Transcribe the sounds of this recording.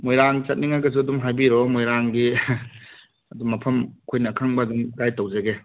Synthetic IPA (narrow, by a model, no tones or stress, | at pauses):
mojɾaŋt͡ʃɐt̚niŋaɡɐz̬uɐdumɦajbiɾɔmojɾaŋɡi | ɐduŋmɐpʰɐmkʰojnɐːkʰaŋbɐɐdumɡajtowzeɡe